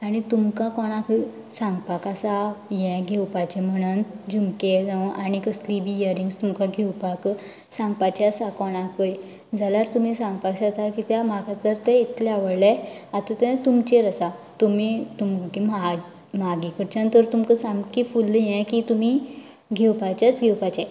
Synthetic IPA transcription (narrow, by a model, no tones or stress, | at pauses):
aɽ̃it̪umkãkɔɽ̃ãkə | sãŋɡpakasajɛ̃ɡʱewpat͡ɕem̤əɽ̃und͡ʑumked͡zãʔaɽ̃ikəslibijəɾiŋɡst̪umkãɡʱewpak | sãŋɡpat͡ɕɛasakɔɽ̃ãkəj | d͡zalaɾt̪um̤isãŋɡpaksat̪akit̪jamakʰat̪əɾt̪ɛit̪ʰlɛaʋəɽleat̪at̪ɛ̃t̪umt͡ɕeɾəsat̪umit̪umkima | maɡikəɾt͡ɕant̪əɾt̪umkəsãŋɡkifulːjɛ̃kit̪um̤i | ɡʱewpat͡ɕat͡sɡʱɛwpat͡ɕɛ̃